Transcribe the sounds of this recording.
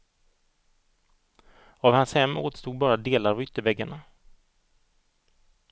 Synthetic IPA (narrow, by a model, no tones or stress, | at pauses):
avhanshɛmːo̰ːt̪ə̥st̪uːɡ̪̚bɑːɾad̪eːlaɾvʏt̪ːəɾvɛɡːaɳa